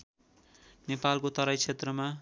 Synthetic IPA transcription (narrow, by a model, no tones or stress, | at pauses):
nepalkot̪ʌɾʌjt͡sʰet̪rʌma